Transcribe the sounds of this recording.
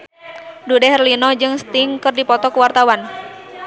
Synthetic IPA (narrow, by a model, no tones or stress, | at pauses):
dudɛɦərlinɔd͡ʒɨŋst̪iŋkɨrdipɔt̪ɔkuwart̪awan